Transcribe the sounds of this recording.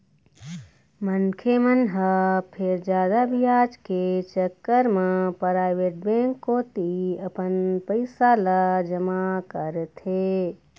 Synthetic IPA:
mənkʰemənɦəpʰeɾd͡ʒaːd̪abijaːd͡ʒket͡ʃəkːəɾmepɾaːɪʋeʈ̚bẽŋkːot̪iəpənpəɪsaləd͡ʒəmakəɾət̪ɦe

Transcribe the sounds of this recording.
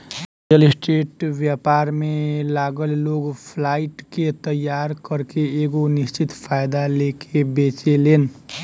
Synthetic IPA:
əlsʈɾeʈbjapaɾmelaɡəlloɡpʰlaɪʈket̪əjːaɾkəɾkeeɡonist͡ʃit̪pʰajd̪alekebet͡ʃelen

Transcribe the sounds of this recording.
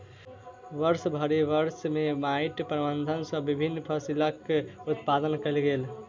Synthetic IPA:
ʋəɾsbʱəɾiʋəɾsmemaiʈpɾəbənd̪ʱənsə̃bːibʱinːpʰəsiləkːut̪̚pad̪ənkəlɡel

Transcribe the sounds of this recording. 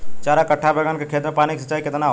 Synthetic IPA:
t͡ʃaːɾakɐʈʰːabeɡənkekʰeːt̪ɾmẽpaːniksət͡ʃːaːikɪt̪naɦ

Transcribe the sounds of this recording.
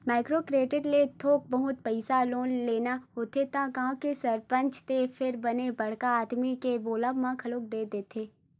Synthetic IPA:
maːɪkɾoːkɾeːʈɪʈlet̪ʰoːk̚bɐɦʊt̪̚pɛɪsaloːnleːnaɦoːt̪ʰet̪ãkaɦãkesɐɾpə̃ɲt͡ʃt̪efʰɪɾbɐnebɐɽkaaːd̪mikeboːlaʋmãkʰɐloːk̚d̪eːd̪eːt̪ʰeː

